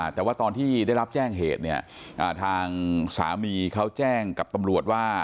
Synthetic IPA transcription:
t̪ɛː˨˩waː˥˩t̪ɔː˧nt̪ʰiː˥˩daː˥˩jɾa˦˥p̚t͡ɕɛː˥˩ŋɦḛː˨˩t̪̚ni˥˩ɐ | ʔaː˨˩t̪ʰaː˧ŋsa̰ː˩˦miː˧kʰa˦˥wt͡ɕɛː˥˩ŋka˨˩p̚t̪a˧mɾu˨˩ət̪̚waː˥˩

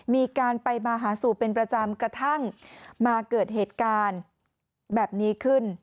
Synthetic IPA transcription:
miː˧kaː˧npa˧jmaː˧ɦaː˩˦suː˨˩pe˧npɾa˧t͡ɕa˧mkɾa˧t̪ʰa˥˩ŋmaː˧kɤː˨˩t̪̚ɦeː˨˩t̪̚kaː˧n | bɛː˨˩p̚niː˦˥kʰɯ˥˩n

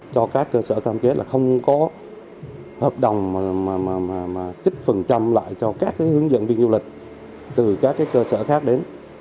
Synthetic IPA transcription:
t͡ɕɔ˧kaː˦˥kːəː˧səː˧˩kaː˧mke˨˦laː˨˩xə˧wŋ͡mkɔ˨˦ | həː˨˩p̚ɗə˨˩wŋ͡ma˨˩maː˨˩maː˨˩maː˨˩maː˨˩t͡ɕi˦˥k̚fə˨˩nt͡ɕa˧mla̰ː˧˨jt͡ɕɔ˧kaː˦˥k̚ːaː˨˦jhɨ˨˦ŋzə̰˧˨nvi˧nzu˧lï˨˩k̟̚ | t̪ɨ˨˩kaː˦˥kːaː˨˦jkəː˧səː˧˩xaː˦˥k̚ɗe˨˦n

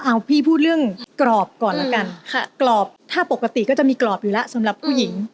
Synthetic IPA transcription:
ʔa˧wpʰiː˥˩pʰuː˥˩t̪̚ɾɯ˥˩əŋklɔː˨˩p̚kɔː˨˩nlaː˥˩˥ka˧nkʰa˧˩klɔː˨˩p̚t̪ʰaː˥˩po˨˩kːa˧t̪i˨˩kɔː˥˩t͡ɕa˨˩miː˧klɔː˨˩p̚juː˨˩lɛ˦˥ʔsa˨˦mɾa˨˩pʰːuː˥˩ji˩˦ŋ

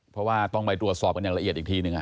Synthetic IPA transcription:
pʰɾɔ˦˥waː˥˩t̪ɔ˥˩ŋpa˧jt̪ɾu˨˩ət̪̚sɔː˨˩p̚ka˧nja˨˩ŋla˧ʔi˨˩ət̪ʔi˨˩t̪ʰiː˥˩nɯ˨˩ŋʔa˨˩

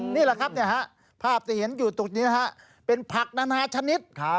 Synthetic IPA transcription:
niː˥˩la˨˩kʰa˦˥p̚ni˥˩ɐɦa˦˥ʔ | pʰaː˥˩p̚t̪ʰiː˧˩ɦe˩˦njuː˨˩t̪u˨˩k̚niː˦˥ɦa˦˥ʔ | pe˧npʰa˨˩k̚naː˧naː˧t͡ɕʰa˧ni˦˥t̪̚

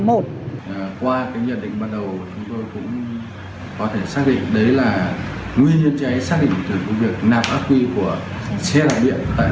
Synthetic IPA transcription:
mo˨˩t̚ːkwaː˧kaː˨˦jɲə˧˩ɗḭ˧˨ŋ̟ɓaː˧nɗə˨˩wt͡ɕʊ˨˦ŋ͡mt̪o˧jkʊ̰˧˥ŋ͡m | kɔ˨˦t̪ʰe˧˩saː˦˥k̚ɗḭ˧˨ŋ̟ɗə˨˦jlaː˨˩ŋwi˧ənɲə˧ənt͡ɕa˨˦jsaː˦˥k̚ɗḭ˧˨ŋ̟t̪ɨ˨˩və˨˦vi˨˩ək̚naː˨˩p̚ʔaː˦˥p̚ki˧ku˧˩əsɛ˧laː˨˩ɓḭ˧˨ənt̪a̰ː˧˨

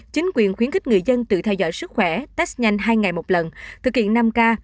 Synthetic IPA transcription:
t͡ɕï˨˦ŋ̟kwi˨˩ənxwi˨˦ənki̟˦˥ŋɨ˨˩əjzə˧nt̪ɨ̰˧˨t̪ʰɛ˧wzɔ̰˧˨jsɨ˦˥k̚xwɛ˧˩t̪a˦˥k̚ɲa˧jŋ̟ɦaː˧jŋa˨˩jmo˨˩t̚lə˨˩nt̪ʰɨ˨˩k̚hḭ˧˨ənːa˧mkaː˧

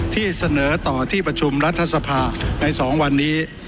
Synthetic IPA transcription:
t̪ʰiː˥˩sa˧nɤː˩˦t̪ɔː˨˩t̪ʰiː˥˩pɾa˧t͡ɕʰu˧mɾa˦˥t̪ʰːa˧sa˧pʰaː˧na˧jsɔː˩˦ŋwa˧nːiː˦˥

